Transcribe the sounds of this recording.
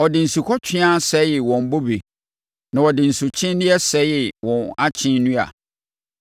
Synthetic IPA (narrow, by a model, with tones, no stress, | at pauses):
ɔ˨dɪ˨n̩˨su˨kʰɔ˦t͡ɕᶣʰɪ˦ã˦sɛ˦jɪ˨wɔ̃˨m˨bo˦be˨ | nã˨ɔ˨dɪ˨n̩˨sʊ˨t͡ɕʰɪ̃˦nnɪ̃˦ɛ˦sɛ˨˦jɪ˨wɔ̃˨na˦t͡ɕʰɪ̃˦n˦nũ˦a̰˨